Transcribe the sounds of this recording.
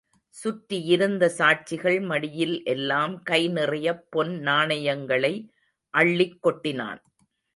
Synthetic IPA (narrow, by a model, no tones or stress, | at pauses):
sʊʈɾɪɪɾɯnd̪ɐsaːʈ̚t͡ʃɪɣɐɭmɐɽɪjɪlʔɛlːaːmkɐɪnɪrɐjɐpːɔnnaːnɐjɐŋɡɐɭɐɪ | ʔɐɭːɪkːɔʈːɪna̰ːn